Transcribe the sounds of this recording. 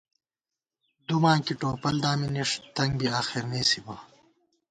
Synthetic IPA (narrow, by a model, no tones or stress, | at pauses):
d̪umãːŋkiʈoːpɐld̪aːminiʂt̪ɐŋɡbiaːxiɾneːsibɐ